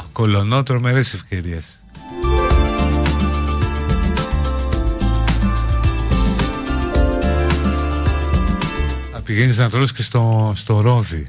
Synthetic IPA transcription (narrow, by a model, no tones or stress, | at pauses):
kolonot̪ɾo̞me̞ɾese̞fce̞ɾies | ɐpiʝeniznɐt̪ɾoscest̪ost̪oɾoði